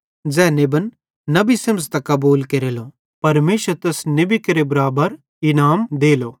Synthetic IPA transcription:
d͡zɛːnebənː | ɐbisemst̪ɐkɐbuːlkeɾelo | pɐɾmeːʃəɾt̪eːsnebikɐɾebɐɾaːbəɾ | ɪnaːmd̪eːloː

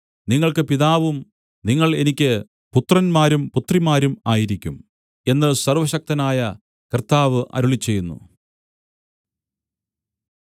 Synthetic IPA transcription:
niŋːɐɭkɨpiðaːʋum | niŋːɐɭe̞nikʲːɨ | put̪rɐnmaːɾumput̪rimaːɾumaːjiɾikʲːum | e̞nːɨsɐrʋɐɕɐk̚t̪ɐnaːjɐ | kɐrt̪aːʋɨʔɐ̰ɾuɭit͡ɕːe̞jːunːṵ

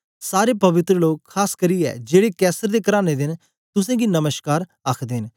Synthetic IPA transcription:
saːɾeːpəʋɪt̪ɾəloːkʰːaːskəɾiːɛ̰ːd͡ʒeːɽeːkɛːsəɾd̪eːkəɾaːneːd̪ɪn | t̪ʊsɛ̃ːɡiːnəməʃkaːɾ | əkʰd̪en

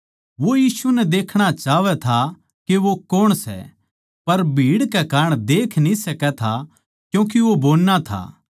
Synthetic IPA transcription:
ʋojiːsunɛd̪eːkʰɽ̃at͡ʃaːʋɛt̪ʰa | keʋokoːɽ̃sɛ̰ | pɐɾbʱiːɽkɛkaːɾɳ̃d̪eːkʰnĩsɐkɛt̪ʰa | kjũːk̬iʋoboːlːat̪ʰa̰ː

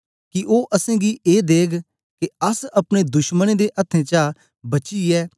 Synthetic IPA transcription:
kɪʔoːʔəsẽːɡiːeːd̪eːɡ | keəsɐpɽeːd̪ʊʃmənẽːd̪eːʔət̪ʰːẽːt͡ʃaː | bɐt͡ʃiːɛː

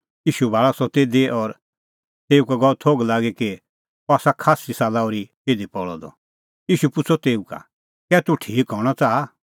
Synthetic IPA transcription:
jiːʃubʱaːɭasɔt̪eːd̪eʔɔɾ | t̪eːukaɡɔlt̪ʰoːɡlaːɡeki | oaːsakʰaːsisaːlaɔɾit̪eːd̪ipɔɭɔd̪ɔ̰ | jiːʃupʊt͡sʰɔt̪eːũka̰ | kɛːt̪uʈʰiːkɦɔɾɽ̃ɔt͡saːa

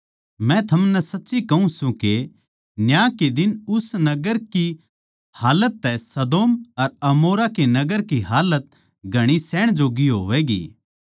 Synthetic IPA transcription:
mɛ̃t̪ʰɐmnɛsɐtːʃikɐɦũsũke | njãːked̪ɪnʊsnɐɡəɾki | haːlət̪ːɛsɐd̪oːmɐɾɐmoːɾakenɐɡəɾkiɦaːlət̪̚ | ɡʱɐɽ̃isɛːɽ̃d͡ʒoːɡiɦo̰ːʋɛːɡḭː

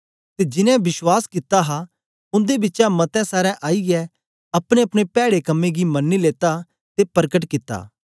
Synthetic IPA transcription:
t̪ed͡ʒɪnɛ̃bɪswaːskɪt̪aɦa | ʊ̃nd̪ebɪtːt͡ʃamɐt̪ɛ̃saːɾɛ̃ʔaːiɡɛ | ɐpɽ̃eɐpɽ̃epɛːɽekɐmːẽɡimɐnːileːt̪a | t̪epɐɾkəʈ̬kɪt̪ːa̰ː

